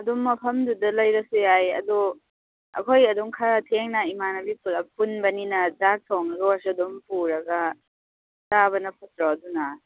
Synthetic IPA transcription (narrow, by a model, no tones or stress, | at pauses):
ɐduŋːɐpʰɐmdudɐlɐjɾɐsujajɐ̰dɔ | ɐ̰kʰojɐduŋkʰaɾatʰeŋnɐimanɐbipulɐpunbɐninɐzak̚sʰɔwŋɐɡɐwasuɐdumpuɾɐɡɐ | zabɐnɐpʰasɾadunɐ